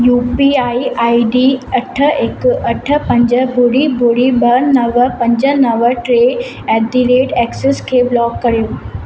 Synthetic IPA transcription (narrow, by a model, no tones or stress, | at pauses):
jupiaiaiɖiəʈʰːəekəʈʰəpəɲd͡ʑəbʱoɽibʱoɽibənəʋəpəɲd͡ʑənəʋəʈɾe | ɛd̪iɾeʈɛkseskʰeblɔkːəɽeʋ